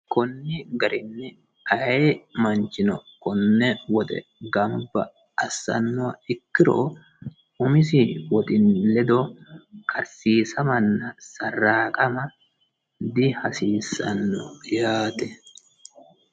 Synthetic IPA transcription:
kɔnːɛɡɐɾɪnːɛ | ɐjemɐnt͡ʃɪnɔkɔnːɛwɔt̪ʼɛ̰ɡɐmbɐ̰ | ɐsːɐ̰nːɔɐɪkːɪɾo̰ː | ʊmɪs̬ɪwɔt̪ʼɪnlɛd̪ɔkʰɐɾsiːsɐmɐnːɐsɐrːaːkʼɐmɐ | d̪ɪhɐsiːsɐ̰nːɔ̰jaːt̪ɛ

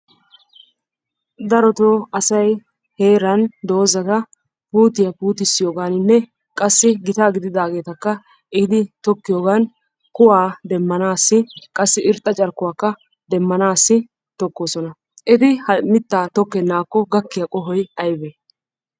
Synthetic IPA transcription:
d̪ɐɾɔt̪oɐsɐj | he̞ːɾɐnd̪o̞ːzɐt̪ɐ | puːt̪ːɪjɐpuːt̪ɪsːɪjoːɡaːnɪnːɛ | kʼɐsːɪɡɪt̪aːɡɪd̪ɪd̪aːɡe̞ːt̪ɐkːɐ | ɪd̪ɪt̪ɔkːɪjoːɡaːn | kʊwaːd̪ɛmːɐnaːsːɪkʼɐsːɪʔɪɾt̪ʼːɐt͡ʃʼɐɾkːʊwaːkːɐ | d̪ɛmːɐnaːsːɪ | t̪ɔkːoːsɔnɐ | ʔɪt̪ɪhɐmɪt̪ːaːt̪ɔkːɛnːaːkːɔɡɐkːɪjɐkʼɔɦɔjɐjbe

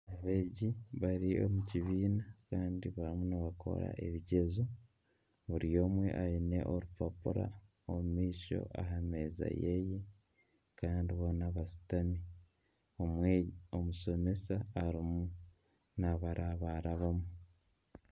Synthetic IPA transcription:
aβe̞ːɟiβaɾio̞̰muciβiːnakaːndiβaɾimunaβakʰo̞̰ɾa̰ʔe̞βiɟe̞zo | βuɾijo̞ːmwe̞̰ʔaine̞̰ʔo̞ɾupapuɾa̰ | omumiːʃo̞̰ʔa̰ɦame̞ːza̰jeje | kaːndiβoːnaβasi̥tami | oomuso̞me̞saːɾimu | naβaɾʔaβaɾaβamu

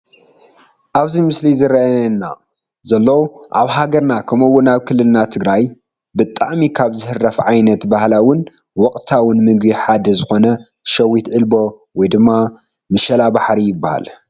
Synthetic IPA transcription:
ʔaβzimɨslizɨɾɐnːa̰ | zɐlːɐwʔa̰βɦaɡɐɾnakʰɐmowːʊnaβkʰɨlːɨlnat̪ʰɨɡɾaj | bɨt̪ʼaʕmikʰaβzɨhɨrːɐfʕajnɐt̪bahlawʊn | wɔkʼt̪ʰawʊnmɨɡbiħad̪ɐzɨxo̞nɐ | ʃɐwːit̪ʕɨlbo̞ | wɔjd̪ɨmːa | mɨʃɐlabaħɾijɪbːaha̰l

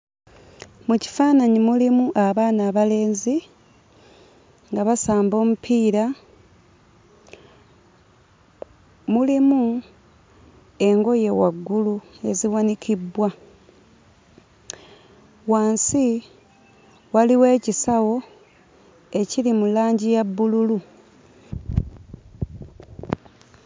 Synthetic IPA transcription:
muci̥faːnaɲimulimuʔaβaːnaːβale̞ːnzi | ŋɡaβasaːmbo̞ːmupʰiːɾa | mulimu | e̞ŋɡo̞je̞wa̰ɡːulue̞ziwanikʰibwa | waːnsi | waliwe̞ːcisawo̞ | e̞cilimulaːɲɟijabːululu

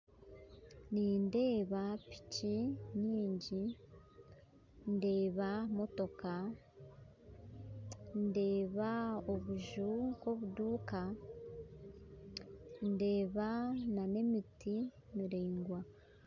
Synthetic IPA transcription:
ninde̞ːβapi̥ciɲiːɲɟi | nde̞ːβamo̞to̞ka | nde̞ːβaoβuʒuko̞βuduːka | nde̞ːβanane̞miti | miɾeːŋɡwa

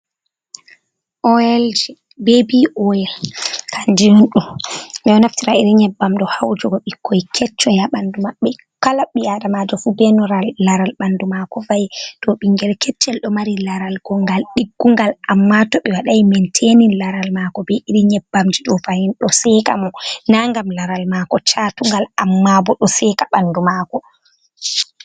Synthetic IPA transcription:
ʔɔjɛld͡ʒɛ | bebiʔɔjɛlkʰand͡ʒinunɗumɗɛɔnaftiɾaiɾiɲɛbːamɗɔhawd͡ʒɔɡɔɓikʰːɔjkʰɛt͡ʃːɔjaɓandumaɓːɛ | kalaɓːiadamad͡ʒɔfubɛnɔɾalːaɾalɓandumakɔvajɗɔɓiŋɡɛlkɛt͡ʃːɛlɗɔmaɾilaɾalɡɔŋɡalɗiɡːuŋɡalamːatɔɓɛwaɗajmɛntʰeninlaɾalmaːkɔbɛʔiɾiɲɛbːamd͡ʒiɗɔvahinɗɔsɛka̰mɔnaŋɡamlaɾalmaːkɔt͡ʃatuŋɡalamːabɔɗɔsɛkaɓandumakɔ

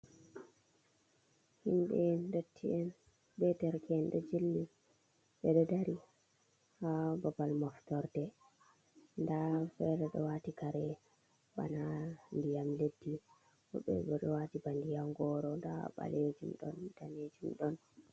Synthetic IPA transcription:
himbɛndotʰːiɛn | bɛdɛɾkɛɛnɗɔd͡ʒilːi | ɓɛɗɔdaɾi | hababalmɔftɔɾdɛ | ndafɛɗɛɗɔ̰watikaɾɛ | ba̰nandijamledːi | ɔ̰ɓɛ̰ɡɔɗɔwatibandijamɡɔːɾɔndaɓa̰led͡ʒimɗɔ̰nd̥aned͡ʒimɗɔn

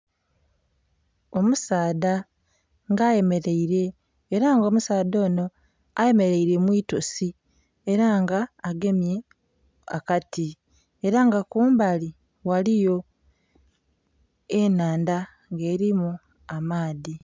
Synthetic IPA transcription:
o̞musaːda | ŋɡaːje̞me̞ɾe̞iɾe̞ː | ɾaŋɡoːmusaːdo̞ːno̞ | aje̞me̞ɾe̞iɾe̞mwiːtosi | eɾaŋɡaːɡe̞mje̞ | akati | eɾaŋɡakuːmbali | walijo̞ | enaːnda | ŋɡe̞ːɾimu | amaːði

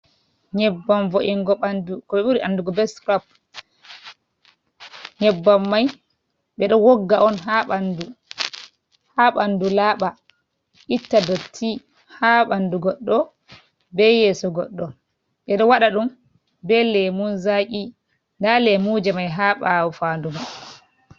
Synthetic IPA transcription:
ɲɛbːanvoʔiŋɡɔandukɔɓɛɓuɾiʔanduɡɔbɛskɾɔp̚ | ɲɛbːamːaj | ɓɛɗɔwɔɡːaʔɔnɦaɓandu | haɓandulaːɓa | ʔitːadotʰːi | haɓanduɡɔɗːɔ | bɛjɛsɔɡɔɗːɔ | ɓɛɗɔwaɗaɗum | bɛlːɛmunzaki | ndalɛmuːd͡ʒɛmajɦaɓawɔfanduɡɔɗ

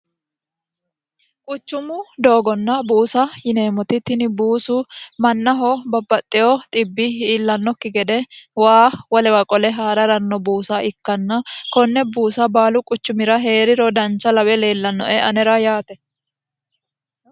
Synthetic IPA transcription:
kʼʊt͡ʃːʊmʊd̪o̞ːɡɔnːɐbuːsɐjɪne̞ːmɔt̪ɪt̪ːɪnɪbuːsʊmɐnːɐɦɔbɐbːɐt̪ʼːɪjɔt̪ʼɪbːɪiːlːɐnːɔkːɪɡɛd̪ɛwaːwɐlɛwɐkʼɔlɛɦaːɾɐɾɐnːɔbuːsaʔɪkːɐnːɐkɔnːɛbuːsɐbaːlʊkʼʊt͡ʃːʊmɪɾɐɦe̞ːɾɪɾɔd̪ɐnt͡ʃːɐlɐwɛle̞ːlːɐnːɔ̰ʔɛʔɐnɛɾɐjaːt̪ɛ

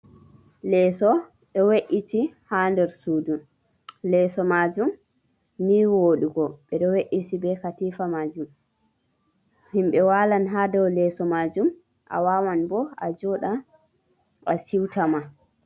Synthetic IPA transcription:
lɛːsɔ | ɗɔweʔitihandɛɾsudun | lɛsɔmad͡ʒum | niwoɗuɡɔɓɛɗɔweʔitibɛkatiːfamaːd͡ʒum | himɓɛwalanɦadɔwlɛsɔmad͡ʒum | ʔa̰wawanbɔa̰d͡ʒɔɗa | asiwtama

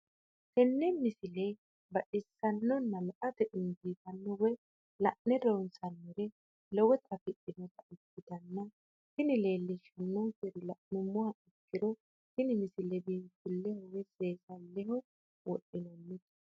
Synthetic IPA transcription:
tɛnːɛmɪsɪlɛ | bɐʔɪsːɐnːɔnːɐlɐʔɐt̪ɛʔɪnbiːt̪ɐnːɔwɔj | lɐʔnɛɾɔwnsɐnːɔɾɛ | lɔwɛt̪ɐfɪɗːɪnɔt̪ɐʔɪkːɪt̪ɐnːɐ | hɪnɪle̞ːlːɪʃɐnːɔkɛɾɪlɐʔnʊmːɔhɐʔɪkːɪɾɔ | hɪnɪmɪsɪlɛbiːt̪ːɪlːɛhɔwɛseːsɐlːɛɦɔ | wɔɗːɪnɔmːɪt̪

